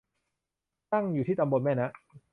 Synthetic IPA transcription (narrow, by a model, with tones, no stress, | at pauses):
t̪a˥˩ŋjuː˨˩iː˥˩t̪a˧mbo˧nmɛː˥˩na˦˥ʔ